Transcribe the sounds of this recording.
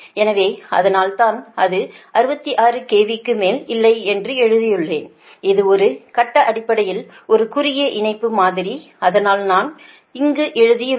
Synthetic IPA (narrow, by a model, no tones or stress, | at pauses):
ɛnɐʋeːɐ̰ðɐnaːlt̪aːnɐðɯʔɐɾɯbɐt̪ːiʔaːrɯkeːʋikːɯmeːlɪlːɐɪɛndrɯɛɻɯðɪjɯɭːḛːn | ɪðɯɔɾɯkɐʈːɐʔɐɽɪpːɐɽɐjɪl | ɔɾɯkʊɾɪjɐʔɪɳɐɪpːɯmaːðɪɾi | ɐðɐnaːlnaːn | ɪŋɡɯʔɛɻɯðɪjɯ